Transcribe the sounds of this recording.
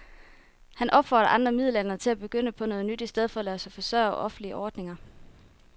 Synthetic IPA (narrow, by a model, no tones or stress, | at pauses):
hænʔɒ̽b̥fɒ̰ːdɾɐʔɑ̈nd̥ʁɐmið̞ˠlæn̰ɐt͡sʰe̝æb̥e̝ɡ̥øn̰əpʰɒ̽nɔ̽ːð̞̩ˠnyd̥isd̥eð̞ˠfɒ̽læsɑfɒ̽sœ̰ːʔɒ̽fn̩liəʔɒːd̥ne̝ŋɐ